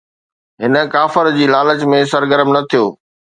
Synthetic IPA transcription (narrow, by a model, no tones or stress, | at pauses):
ɦɪnə̆kaːfəɾd͡ʑiːlaːlət͡ɕmẽsɐɾɡəɾəmnɐt̪ʰijoː